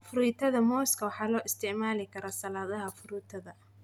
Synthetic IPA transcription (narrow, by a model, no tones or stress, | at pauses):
fʊɾuːt̪ʰɐðɐmɔːskʰɐwɑħɑːlɔːʔɪst̪ʰɛʕmaːlɪkʰɐɾɔːsɐlaːðɐɦɐfʊɾut̪ʰɐðɐ